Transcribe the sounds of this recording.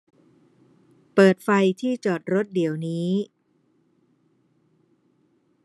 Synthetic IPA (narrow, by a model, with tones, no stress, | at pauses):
pɤː˨˩t̪̚fa˧jt̪ʰiː˥˩t͡ɕɔː˨˩t̪̚ɾo˦˥t̪̚di˩˦əwniː˦˥